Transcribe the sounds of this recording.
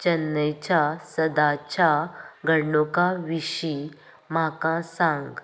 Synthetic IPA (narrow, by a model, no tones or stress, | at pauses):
t͡ɕənːəjt͡ɕasəd̪at͡ɕaɡʱəɽnokaʋiɕi | m̤akãsãŋɡ